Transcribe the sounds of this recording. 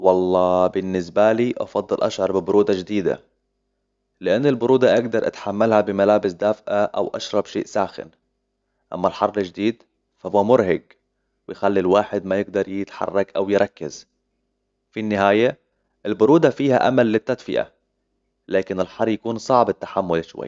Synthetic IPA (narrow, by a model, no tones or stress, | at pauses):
wɑlˤːɑːbɪnːɪs̬baliːʔɑ̰fɑd̪ˤːɨlʔaʃʕɑɾˤbɪbʊɾuːd̪ɑd͡ʒd̪iːd̪a̰ | lɪʔanːɪlbʊɾuːd̪ɑʔaɡd̪ɑɾˤʔa̰t̪ħamːalhabɪmalaːbɪsd̪aːfʔaʔa̰wʔa̰ʃɾˤɑbʃḛːʔsaːxɪ̰n | ʔa̰mːalħɑrˤːɪld͡ʒɪd̪iːd̪ | fahuːamʊɾhaɡ | wɪjxalːilwaːħɪd̪majɪɡ̚d̪ɑɾˤjɪt̪ħɑ̰rˤːɑkʔawjɾˤʔɑkːaz | finːɪɦaːja | ʔɪlbʊɾuːd̪ɑfiːha̰ʔa̰malːɪt̪ːad̪fɪʔa̰ | laːkɪnɪlħɑrˤːjakuːnsˤɑʕbɪt̪ːḁħamːʊlʃwa̰jː